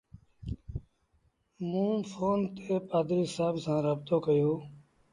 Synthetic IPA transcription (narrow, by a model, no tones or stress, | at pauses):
mũːpʰoːnt̪eːpaːd̪ɾiːsaːbsãːɾəːbt̪oːkəjoː